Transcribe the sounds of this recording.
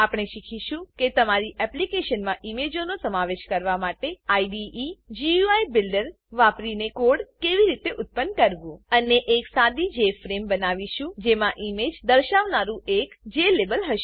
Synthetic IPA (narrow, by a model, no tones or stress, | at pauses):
apɽ̃eʃikʰiʃũket̪əmaɾiʔɛplikeʃənmãʔimed͡ʒonosəmaʋeʃkəɾʋamaʈeaiɖiːd͡ʒiuaibɪlɖəɾ | ʋapɾinekoɽkeʋiɾit̪eʔʊt̪̚pənːkəɾʋũəneʔeksad̪id͡ʒefɾembənaʋiʃũd͡ʒemãʔimed͡ʒd̪əɾʃaʋnaɾũʔekd͡ʒelebəlɦəʃe